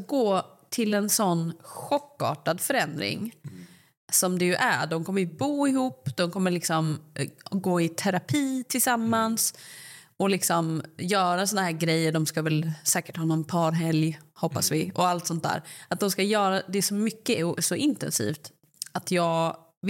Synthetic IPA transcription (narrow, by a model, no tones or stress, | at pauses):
ɡoːt̪ʰɪlɛnsɔnːɧɔkːɑ̰ːʈad̪fœɾɛnd̪ɾɪ̰ŋ | sɔmd̪ɛjɵʔæ̰ɖɔmkʰɔmːəɾjbuːɪhuːpːd̪̥ɔmkʰɔmːəɭɪksɔm | ɡoːɪt̪ʰæɾapʰiːt̪ʰɪlsamːans | ɔlɪksɔmjœːɾasɔnaɦæːɾɡɾɛjːəɖɔmskavɛlsɛːkə̥ʈhɑːnɔnpʰɑːɾɦɛljhɔpːasvɪɔalt̪sɔnt̪̚d̪æ̰ːɾat̪̚d̪ɔmskajœːɾad̪ɛːʂɔmʏkːəsɔʔɪnt̪ɛ̰nsḭːft̪ | at̪ʰjɑːɡ